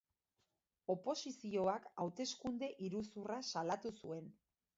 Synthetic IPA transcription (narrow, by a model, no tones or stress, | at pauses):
o̞po̞sisio̞akawt̪e̞skund̪e̞ʔiɾusurasalat̪usue̞n